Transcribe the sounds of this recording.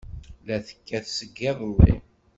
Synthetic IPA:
læθə̥kːæθsəɡːæðˤəlːḭ

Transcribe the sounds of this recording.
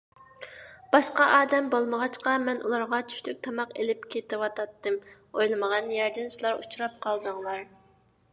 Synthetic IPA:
b̥ɑʃqɑʔɑːd̪ɛmbolˠməʁɑt͡ʃqɑmɛnʔṵlˠɑɾʁɑt͡ʃʰy̥ʃlyk̚ʲt̪ʰɑmɑqelɪpkʲʰet̪ɪwɑt̪ʰɑt̪ːɨm | ojlˠɨməʁɑnjɛɾd̪ɪnsulˠɑɾut͡ʃʰuɾɑp̚qʰɑlˠd̪ɨŋlˠɑɾ

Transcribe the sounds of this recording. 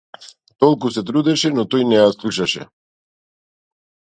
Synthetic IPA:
t̪ɔlˠkusɛt̪ɾud̪ɛʃɛnɔt̪ɔjnɛjaslˠuʃaʃɛ̰

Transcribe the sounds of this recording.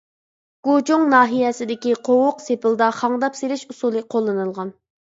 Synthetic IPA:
ɡ̥od͡ʒuŋnɑːɦijɛsɪd̪ɪkʲiqʰowʊqsepɪlˠd̪ɑχɑŋd̪ɑpseɾɪʃusulˠɨqʰolˠːɨnɨlˠʁɑn

